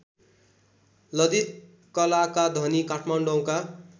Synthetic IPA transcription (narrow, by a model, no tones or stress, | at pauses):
lʌd̪it̪ | kʌlakad̪ʱʌnikaʈʰmaɳɖʌw̃ka